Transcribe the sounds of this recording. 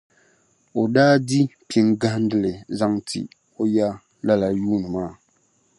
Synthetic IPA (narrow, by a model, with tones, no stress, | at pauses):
o˨daː˦di˦pi˨ŋɡa˦n˦dɨ˦lɨ˨za˦ŋtʰḭ˨ | o˦ja˦ | la˦la˨juː˦nɨ˨maː˦˨